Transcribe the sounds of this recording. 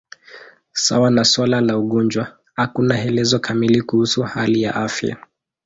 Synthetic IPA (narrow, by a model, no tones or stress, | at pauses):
sa̰wanaswalalauɠɔnd͡ʒwa | hakunahɛlɛzɔkʰamilikuhusuhalijaʔafja̰